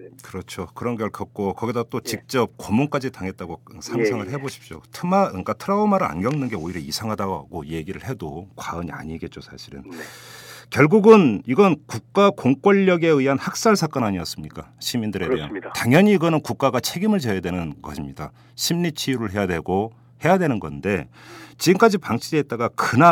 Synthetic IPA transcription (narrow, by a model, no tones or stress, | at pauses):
kɯɾʌt͡ɕʰokɯɾʌnɡeɭkʌk̚k͈okʌɡidat͈ot͡ɕik̚t͡ɕ͈ʌp̚komoŋk͈ad͡ʑitaŋɦe̞t̚t͈aɡosʰaŋsʰaŋɯɭɦe̞boɕʰi̥p̚ɕ͈o̰tʰɯmaɯk͈atʰɯɾaomaɾɯɭa̰nɡjʌŋnɯnɡe̞oiɾjʌisʰaŋɦadaɡoa̰ɡoje̞ɡiɾɯɭhe̞dokwaɯɲia̰ɲiɡe̞t̚t͡ɕ͈osʰaɕʰiɾɯ̰n | kjʌɭɡuɡɯniɡʌnkuk̚k͈akoŋk͈ʌʎːʌɡe̞ɯiɦanhak̚s͈aɭsʰak͈ʌnaɲiʌs͈ɯmɲik͈a | ɕʰimindɯɾe̞de̞ɦa̰ntaŋjʌɲiːɡʌnɯnkuk̚k͈aɡat͡ɕʰe̞ɡimɯɭt͡ɕejadwe̞nɯnɡʌɕʰimɲida | ɕʰimɲit͡ɕʰiɾɯɭɦe̞jadwe̞ɡo | he̞jadwe̞nɯnɡʌ̰nde̞ | t͡ɕiɡɯmk͈ad͡ʑipaŋt͡ɕʰideːt̚t͈aɡakɯna